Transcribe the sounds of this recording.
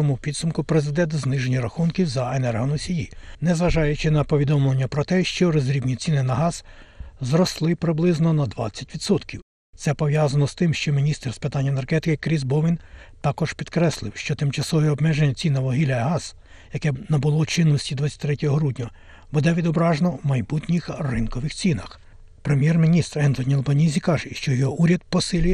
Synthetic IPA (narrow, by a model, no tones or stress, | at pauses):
ɔmupʲid̪sʊmkʊpɾezɪd̪ɛnt̪znɪʒenʲiɾɐxunkʲiwzɐenɛrɦɔnɔsʲijinɛzʋɐʒɑjʊt͡ʃɪnɐpɔʋʲid̪ɔmlˠɐnʲːɐpɾɔt̪ɛʃt͡ʃɔɾɔzʲɾʲibnʲit͡sʲinɪnɐɦɑz̥zrɔslˠɪpɾɪblˠɪznɔnɐd̪ʋɑ̰t͡sʲːɐtʲʋʲid̪sɔt̪kʲiw | t̪sɛpɔʋjɑzɐnɔst̪ɪmʃt͡ʃɔmʲinʲist̪ɛrspɪt̪ɑnʲːɐenerɦɛt̪ɪkɪkɾʲizbɔʋɪnt̪ɑkɔʒ̥pʲid̪kɾɛslˠɪwʃt͡ʃɔt̪ɪmt͡ʃɐsɔʋiɔbmɛʒenʲːɐt͡sʲinɐʋɔɦilʲɐɦɑz | jɐkɛnɐbʊlˠɔt͡ʃɪnːɔsʲtʲid̪ʋɑt͡sʲːɐt̪ʲt̪ɾɛtʲɔɦɔɦɾudʲnʲɔ | bud̪ɛʋʲid̪ɔbɾɑʒnɔwmɐjbut̪ʲnʲixrɪnkɔʋɪxt͡sʲinɐx | pɾemʲjɛrmʲinʲist̪ɾɛnt̪ɔnʲielˠbɐnʲizʲikɑʒɛʃt͡ʃɔjɔɦɔʔuɾʲɐd̪̚pɔsɪlʲi